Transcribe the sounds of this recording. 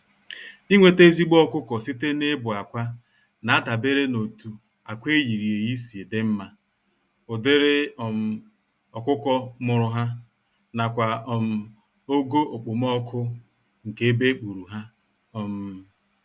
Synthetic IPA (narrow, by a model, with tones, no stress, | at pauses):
i˦ŋʷe˨te˦zi˦ɡ͡bɔ˦kʊ˦kɔ˨si˦te˦ne˦bʊ˨a˨kʷa˦ | na˨a˦da˨be˦ɾe˦no˨tu˨ | a˨kʷe˦ji˨ɾi˨e˨ɣi˦si˨e˨dɪ˦m̩˦ma˦ | ʊ˨dɪ˦ɾɪ˦ɔ˨m̩˦ | ɔ˨kʷʊ˦kɔ˦mʊ˦ɾʊ˦ɦa˦ | na˨kʷa˨ɔ˨m̩˨ | o˦ɡo˦ʔo˨k͡po˨m˦ɔ˦kʰʊ˦ | ŋ̩˨ke˨e˦be˦k͡pu˨ɾu˨ɦa˦ | ɔ˦m̩˦